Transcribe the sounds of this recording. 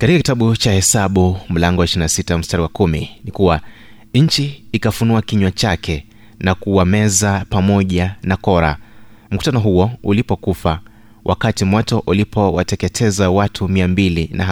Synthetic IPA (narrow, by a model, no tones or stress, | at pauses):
katikakitaɓut͡ʃahɛsaɓum̩laŋɡɔwaiʃiɾinasitaam̩staɾiwakuminikuwa | ɲ̩t͡ʃiːkafunuakiɲwat͡ʃakʰɛ | nakuamɛzapamɔʄanakɔɾa̰ | m̩ku̥tanɔɦuɔulipɔkufa | wʔa̰katimwɔtɔʔulipʰɔwatɛkɛtʰɛzawatʰumiambilinaa